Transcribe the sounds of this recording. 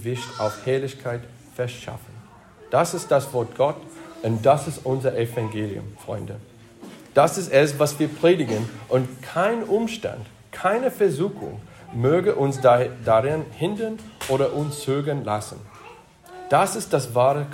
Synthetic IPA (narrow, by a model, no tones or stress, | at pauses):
vɪçta̰ʊfhɛɐlɪçkʰaɪt | fɛɐʃa̰fən̩ | d̥asɪstd̥asv̥ɔɐt̚ɡ̥ɔtʊnd̥asɪstʊnzəʔefãŋɡeːliʊ̰mfʁ̥ɔ̰ʏndə | d̥asɪstɛsvasv̥iːɐpʁ̥eːdɪɡənʔʊntkʰaɪnʔʊmʃtã̰nd | kʰaɪnəfɛɐzuːxʊ̰ŋ | møːɡəʔʊnsdaʁɪnhɪndənʔoːɾɐʔʊnst͡søɡənla̰sn̩ | d̥asɪstd̥asvaːʁək